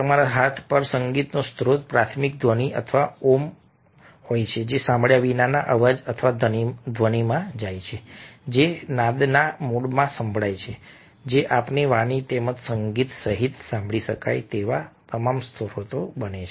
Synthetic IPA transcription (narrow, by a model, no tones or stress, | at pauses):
əmaɾaɦat̪ʰpəɾsəŋɡit̪nost̪ʰɾot̪̚pɾat̪ʰmik̚d̪ʱʋəniʔə̰t̪ʰəʋaom | hojt͡ʃʰed͡ʒesãmbɭjaʋinanaʔəʋəd͡ʒət̪ʰʋad̪ənid̪ʱʋənimãd͡ʒajt͡ʃʰed͡ʒenãd̪namuɽmãsəmbʱɭajt͡ʃʰe | d͡ʒeʔapniʋanit̪emət̪səŋɡit̪səɦit̪sãmbʱɭiʃəka̰jt̪eʋat̪əmamst̪ʰɾot̪obənet͡ʃʰe